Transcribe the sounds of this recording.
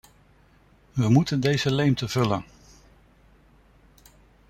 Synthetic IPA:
ʋəmutəndejzəlejmtəv̥ɵlən

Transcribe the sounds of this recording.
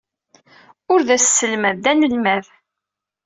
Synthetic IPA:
ʊɾðæssəlmæd̪ænəlmæð

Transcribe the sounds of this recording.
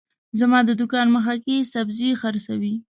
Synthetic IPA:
zamɑd̪əd̪ʊkɑnməxakesabzixaɾsawi

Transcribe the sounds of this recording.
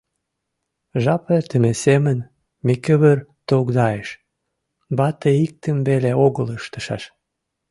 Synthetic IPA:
ʒɑpert̪əmesemən | mekə̆βərt̪oɣd̪ɑeʃ | bɑt̪eik̚t̪əmbeleoɣələʃt̪ə̆ʃɑʃ

